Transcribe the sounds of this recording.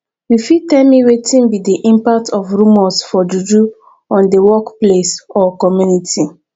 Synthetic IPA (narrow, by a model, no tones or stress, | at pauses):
wifitɛmiɹetĩnwidiʔĩmpak̚tʰɔfɹũmɔsfɔd͡ʒud͡ʒu | ɔ̃ndəwɔkplesɔkɔmjunitʰi